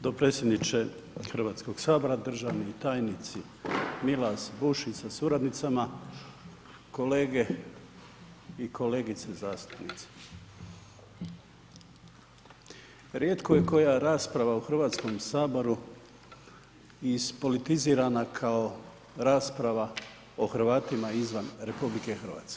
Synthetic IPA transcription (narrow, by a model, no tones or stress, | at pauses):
d̪o̞pɾet̪sjed̪nit͡ʃe | xrʋaːt̪sko̞ɡ̥saːbo̞ɾad̪r̩ʒaʋnit̪aːjnit̪si | milasbuʃisasuɾad̪nit̪sama | ko̞leːɡe̞ | ikʰo̞le̞ːɡit̪sezaːst̪u̥pnit̪se̥ | ɾjet̪koje̞ko̞jaɾaːspɾaʋauxr̩ʋaːt̪sko̞msaːbo̞ɾu | ispo̞lit̪iziːɾanakʰao̞ | ɾaːspɾaʋa | oxɾ̩ʋaːt̪imaizʋanɾe̞publike̞xr̩ʋa̰ːt̪ske